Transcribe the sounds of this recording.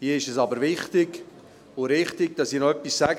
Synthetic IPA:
hiəɪʃɛsɑbəɾvɪχtɪɡ | ʊɾɪχtɪɡ̚d̥ɑsinɔœpːisːæɡ

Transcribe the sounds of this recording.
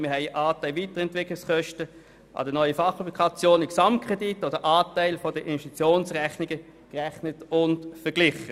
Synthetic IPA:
mɪɐhɛɪʔaːtæɪlviːtəʁɛntvɪklɪskœʃtə | ʔɑ̰dənɔʏəfɑχobikʰɑt͡sjoːniksɑmt̚kʰʁ̥ɛditːodəʔaːtæɪlfɔdəʔinvɛʃtit͡sjoːnsʁɛχnɪɡə | kʁæχnətʊntfɛɐɡlɪχə

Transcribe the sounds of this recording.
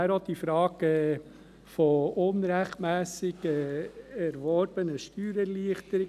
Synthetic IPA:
æɾod̪̥ifɾɑːɡ̥ɛ | fɔʊnɾɛχtmæːsɪɡəɛɾʋɔɾb̥ənəʃtyːɾəliəχt̪əɾɪ

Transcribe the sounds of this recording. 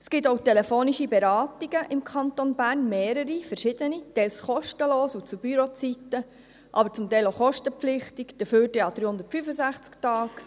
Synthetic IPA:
sɡ̥ɪt̪owtɛlɛfoːniʃibɛɾɑːt̪iɡ̥əʔɪmkʰɑnt̪onbæːɾnmeːɾəɾifəɾʃɪd̪̥ənitɛjlsχɔʃtəloːsut͡sub̥yɾot͡sitə | ʔɑbəɾt͡sʊmt̪ɛɪloχɔʃtəpp͡flɪχt̪ikd̥əføːɾdeɑd̥̪ɾyːhʊnd̪əɾtfyfəsæχt͡sktɑːk

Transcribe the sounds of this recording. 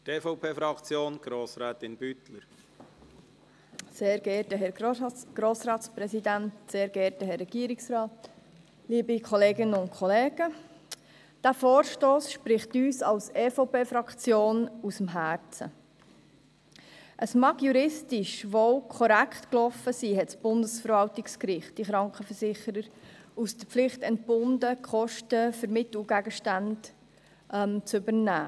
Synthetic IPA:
teːfɔʊpʰeːfɾɑkt͡sjoːnɡ̥ɾoːsɾɛːt̪ɪnb̥yt̪ləɾ | seːɾɡɛːtəɦɛɡ̥ɾoːsɾɑːtspɾɛsidæntseːɾɡ̥ɛɾtəɦɛrːɛɡ̥iəɾiksɾɑːt | liːbikʰɔleːɡɪnəʊntkʰχɔleːɡ̥ə | d̥æːfoːɾʃtoːsʃpɾɪχt̪yːsɑlsefɔʊpeːfɾɑkt͡sjoːnusəmɦæːɾt͡sə̰ | ʔəsmɑɡjuɾɪstɪʃʋoʊkʰɔɾæktklɔfəsiːɛtsb̥ʊndəsfəɾvɑltɪkskɾɪχt̚d̥iχɾɑŋkχəfəɾsɪχəɾəɾusd̥əp͡flɪχtɛnt̚b̥ʊndəkʰχɔʃtəfəɾmɪtl̩ɡ̥æɡəʃtænd | ʔmt͡sʏbəɾnæː

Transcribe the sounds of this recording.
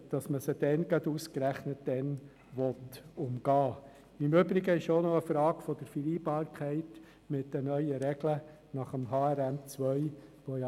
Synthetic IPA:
d̥ɑsməsəd̥ɛnɡɑduskɾæχnət̚d̥ɛn | ʋɔtʊmɡ̥ɑː | ɪmʏbɾɪɡəɪʃonɔəfɾɑːɡfɔd̥əɾfəliːbɑːɾkʰæɪt | mɪt̚d̥ənœʏəɾɛɡ̥lə | nɑχəmɦɑːɛɾæmt͡sʋœʏʋojɑ

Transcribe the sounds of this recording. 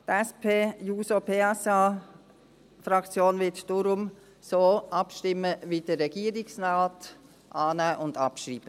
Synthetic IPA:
tɛspʰeːjuːsopʰeːɛsaː | fɾɑkt͡sjoːnvɪtd̥ʊɾʊm | soːʔɑpʃtɪməvidəɛɡ̥iːəɾɪksnaːt | ʔaːnæːʔʊndɑpʃɾiːb̥ə

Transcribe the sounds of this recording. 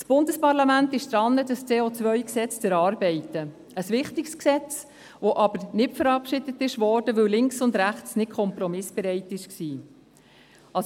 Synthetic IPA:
sb̥ʊndəspɑɾlɑmæntɪʃd̥̪ɾɑnːədəst͡seːot͡sʋœʏksɛt͡stɛɾɑːɾbɛɪtːə | əsʋɪχtɪksksɛt͡s | ʋoʔɑbəɾnɪtfəɾɑpʃɪdətɪʃʋɔːɾd̥əʋɵwlɪŋksʊndɾæχt͡snɪt̚kʰɔmpɾɔmɪsb̥ɛɾɛɪtːɪʃksiː | ɑs

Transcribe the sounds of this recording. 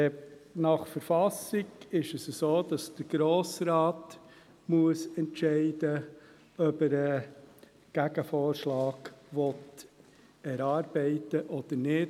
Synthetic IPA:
nɑχfəɾfɑsɪɡɪʃəsəsoːd̥ɑsd̥əɡ̥ɾoːsɾaːt | muəsɛntʃɛɪdə | œbəɾə | ɡ̥æɡəfoːɾʃlɑːɡ̥ʋɔt | ɛɾɑːɾbɛɪtəʔɔd̪̥əɾnɪt

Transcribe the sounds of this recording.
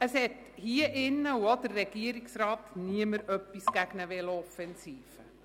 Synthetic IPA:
əshɛt | hiəʔɪnːəuod̥əɾːɛɡ̥iəɾiksrɑːtniəməɾœpːisɡ̥æɡnəʋɛləɔfɛnsiːfə

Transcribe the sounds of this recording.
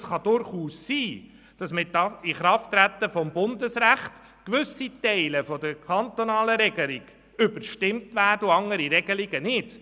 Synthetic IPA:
sχɑd̥ʊɾχuːssiː | d̥ɑsmɪtːɑɪχɾɑftːɾæt̪ːəfɔmbʊndəsɾæχt | kʋʏsitɛɪləfɔdəɾkχɑnt̪ɔnɑːləɾɛɡ̥əliɡ̥ | ʏbəɾʃtɪmtvæːɾdəuɑŋəɾiɾɛɡ̥əliɡ̥ənɪd̥

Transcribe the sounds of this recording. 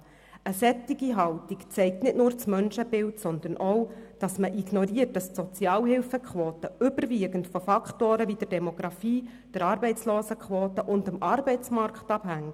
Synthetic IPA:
əsɛt̪ːiɡ̥iɦɑltikt͡sɛɪk̚tnɪtnʊːɾt͡smœnʃəbɪltsɔnd̪ənʔɔwd̥ɑsməʔiɡ̥nɔɾiərt̚d̥ɑstsɔt͡sjɑːlɦɪlfəkʰχʋoːtəʏbəɾʋiːəɡəntfɔfɑktoːɾəʋid̥ərd̥ɛmɔɡ̥ɾɑfiː | d̥əɾɑːɾbɛɪt͡sloːsəkʰʋoːt̪əʔʊndəmʔɑrbɛɪt͡smɑɾktɑphæŋ

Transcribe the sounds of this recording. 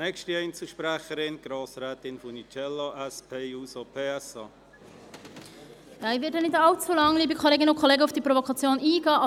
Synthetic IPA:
nɛkʃtiɛɪnt͡səʃpɾɛχəɾɪnɡ̥ɾoːsɾɛːt̪ɪnfʊnit͡ʃɛlaʔɛspʰeːuːsopʰeːɛsɑː | jɑːivɪt̚ːɛnɪtɑlt͡sulɑŋliːbəkʰoleːɡɪnʊnkʰoleːɡəufd̥iːpɾovokʰɑt͡sjoːnʔiːɡɑː

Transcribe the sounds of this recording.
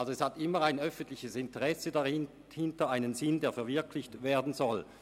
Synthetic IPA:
alzoɛshatɪmːəaɪnœfəntlɪçəsɪntəʁɛsədaɪ | hɪntɐaɪnənzɪndeːɐfɛɐvɪɐkʰlɪçtveːɐdn̩zɔl

